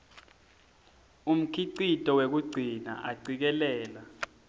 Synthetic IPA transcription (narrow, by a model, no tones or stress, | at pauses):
um̩kʰiǀitʼɔwek̬uɡ͡ǀʱina̰ʔaɡ͡ǀik̬ɛlɛːla